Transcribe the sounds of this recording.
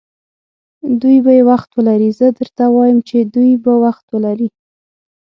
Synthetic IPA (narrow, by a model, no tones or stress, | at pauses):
d̪ujbajewaxt̪wəlaɾizəd̪əɾt̪awɑjəmt͡ʃed̪ujbawaxt̪wəlaɾi